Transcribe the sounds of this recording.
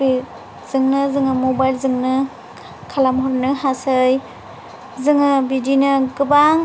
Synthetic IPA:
i | z̥ɯŋnɯzɯŋɯmobajlzɯŋnɯ | kʰalamɦɔɾnɯɦasɯj | zɯŋɯbidinɯɡɯbaŋ

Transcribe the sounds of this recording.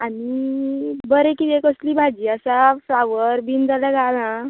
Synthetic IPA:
ani | bəɾekiekəsliːbʱad͡ʑiːəsafɾaʋəɾbind͡zaljaɡalã

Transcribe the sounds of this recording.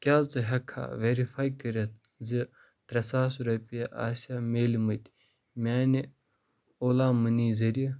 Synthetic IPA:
kʲaːt͡sɨɦɐkʰa̰ːʋeɾifaːjkɐɾʲɐt̪̚ | zi | t̪ɾɐsaːsɾɐpʲijɐʔa̰ːsʲaːmeːlimɐt̪ʲ | mʲaːni | oːlaːmɨniːzɐɾi

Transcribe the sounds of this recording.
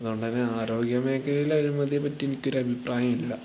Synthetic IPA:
ɐðuɣo̞ɳɖɨt̪ɐnːeaːɾo̞ːɡjɐmeːkːɐɾejilɐɾumɐðiepɐtːe̞nikʲːo̞ɾɐbʱipraːjɐmilːɐ

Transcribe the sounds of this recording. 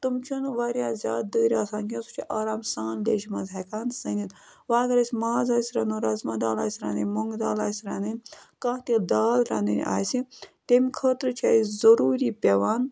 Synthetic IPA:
t̪umt͡ʃʰunʋaːɾʲjaːzʲa̰ːd̪̚d̪əːɾʲaːsaːnkʲʰisu̥t͡ʃʰiʔaːɾaːmsaːnlʲḛːʃimɐzakaːnsɐnit̪ | ʋaːɡɐɾɐsʲmaːzaːsʲɾɐnuɾazmɐd̪aːla̰ːsʲɾa̰ːnɨnʲmoŋɡd̪aːlaːsʲɾanɨnʲkãːt̪ild̪aːlɾa̰ːnɨ̰n̰ʲa̰ːjsit̪emʲikʰəːt̪ɾɨt͡ʃʰaːizɐɾuːɾiːpʲeʋaːn

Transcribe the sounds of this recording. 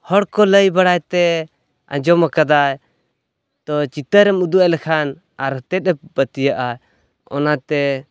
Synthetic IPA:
hɔɽkɔləjbaɽajt̪ɛ | ã̰d͡ʒɔmakad̪aj | t̪ɔt͡ʃit̪əɾɛmud̪ualɛkʰan | aɾət̪ɛt̪̚ɛbət̪ijaʔa | ɔ̰nat̪ɛ

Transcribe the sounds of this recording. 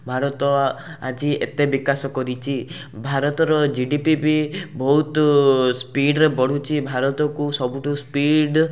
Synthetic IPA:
bʱaɾɔt̪ɔ | a̰d͡ʒiḛt̪ebikasɔkɔɾit͡ʃʰi | bʱaɾɔt̪ɔɾɔd͡ʒiɖipipibɔɦut̪spiɖɾebɔɽ̤ut͡ʃʰibʱaɾɔt̪ɔkusɔbuʈuspiɖ

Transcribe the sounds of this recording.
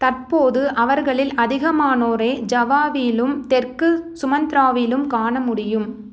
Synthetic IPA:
t̪ɐrpoːðɯʔɐʋɐɾɣɐɭɪlʔɐðɪɣɐmaːnoːɾeːd͡ʒɐʋaːʋilɯmt̪ɛrkɯsʊmɐnd̪ɪɾaːʋɪlɯmkaːɳɐmʊɽɪjɯm

